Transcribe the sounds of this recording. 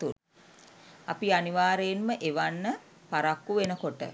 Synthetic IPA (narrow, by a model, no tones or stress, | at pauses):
t̪ul | apianiʋaːɾejːnməʔeʋanːə | paɾakːuʋenəkoʈə̰